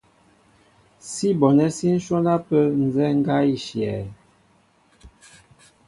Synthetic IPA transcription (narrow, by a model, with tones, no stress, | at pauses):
si˦bɔ˨nɛ˦si˦n̩˦ʃɔ˦na˦pə˦n̩˨zɛ˦ŋ̩˦ɡa˦i˦ʃjɛ˨